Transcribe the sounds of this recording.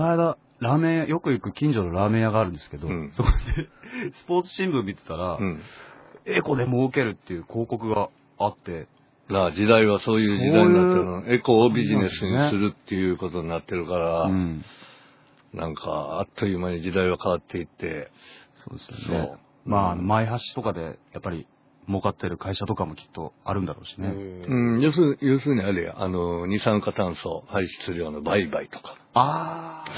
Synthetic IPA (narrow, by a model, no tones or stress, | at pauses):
knajd̪a | ɾaːmẽ̞ɰ̃jajo̞kɯ̟ikɯ̟kʲĩɲ̟d͡ʑo̞noɾaːmẽ̞ɰ̃jaɡaːɾɯ̟̃nd̪e̞sɨ̥ked̪õ̞so̞kod̪esɨ̥po̞ːt͡sɨ̥ɕĩmbɯ̟̃mːʲit̪e̞̥t̪aɾaɯ̃ɴ | eko̞d̪e̞mo̞ɯke̞ɾɯ̟t̪ːe̞jɯ̟ːkʰo̞ːko̞kɯ̟ɡaː | t̪ːe̞ | naːd͡ʑid̪aiβaso̞ːjɯ̟ːioːaiɲjɯaːee̞koːbʲiʑine̞sɨɲisɨɾɯ̟t̪ʰːe̞jɯ̟ːko̞t̪o̞ɲ̟inat̪ːe̞ɾɯ̟kaɾaɯ̃ | nã̰ŋkʰa̰a̰t̪ːojɯmaɲid͡ʑid̪aiβakaβat̪ːe̞it̪ːe̞̰soːd̪esɨjo̰sno̰ː | maːno̞maiɦaɕi̥t̪o̞kad̪e̞japːaɾʲi | mo̞kat̪ːe̞ɾɯ̟kaiɕat̪o̞kamo̞kʲi̥t̪ːo̞aɾɯ̟nd̪aɾo̞̰ːɕine̞ɯ̃jɯːs̬jɯ̟ːsɨːɲ̟iaɾeja̰ʔa̰no̞ɲ̟isãŋkat̪ãɰ̃so̞haiɕi̥t͡sɨɾɯjo̞ːnobaibait̪o̥kḁ | a